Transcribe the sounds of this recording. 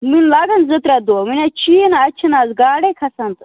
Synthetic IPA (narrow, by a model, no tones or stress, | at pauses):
minlaːɡanzɐt̪ɾʲad̪ominʲat͡ʃʰinat͡ʃʰinaːzɡaːɽekʰɐsant̪